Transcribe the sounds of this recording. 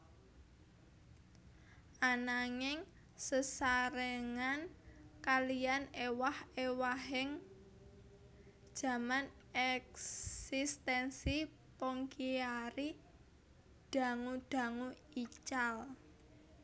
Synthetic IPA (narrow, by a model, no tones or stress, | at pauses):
ʔanaŋɪŋ | səsaɾəŋankalianewahewaɦɪŋ | d̥ʒ̥a̤man | ɛksist̪ɛnsi | pɔŋkiaɾi | ɖ̥a̤ŋuɖ̥a̤ŋuit͡ʃal